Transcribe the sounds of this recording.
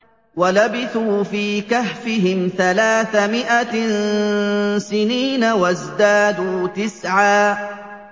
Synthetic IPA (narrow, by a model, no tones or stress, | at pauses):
walabɪθuːfiːkahfɪɦɪmθalaːθamɪʔan | sɪniːnawazd̪aːd̪uːt̪ɪsʕaː